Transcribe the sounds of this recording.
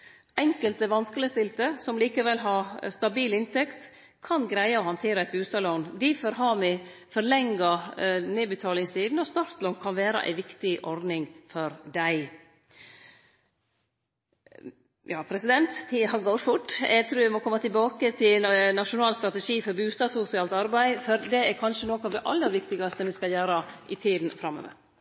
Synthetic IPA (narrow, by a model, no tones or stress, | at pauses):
ɛŋkəlt̪əʋɑnskələst̪ɪlt̪əsɔmliːkəʋɛlːɦɑɾst̪ɑbiːlɪnt̪ɛkt̪ | kʰɑnɡɾæɪəɔhɑnt̪ʰeːɾəæɛt̪̚bʉːst̪ɑloːnd̪ɪfɔɾɦɑmɪfɔɾɭɛŋːɑneːbət̪ʰɑːlɪŋst̪ʰiːd̪n̩ɔst̪ɑɾt̪lɔːnkʰɑnʋeːɾə̰ʔæ̰ɪʋɪkt̪ɪʔɔɾd̪nɪŋfɔɾd̪æɪ | jɑːpʰɾɛsɪd̪ɛnt̪h̪ɪɦɑɡoːɾfʊʈːɛ̰ɡ̚t̪ʰɾuːʋɪmɔkʰɔmːət̪ɪlbɑːkət̪ʰɪnɑʃʊnɑːlst̪ɾɑt̪ɛʂiːfɔɾbʉːst̪ɑːsfʊsɪɑːlt̪ɑɾbæɪfɔɾd̪ɛæɾkʰɑnʂənoːkɑʋd̪ɛʔɑlːəɾʋɪkt̪ɪɡɑst̪əmɪskɑjøːɾɑʔɪt̪ʰiːd̪n̩fɾɑmːœ̰ʋḛ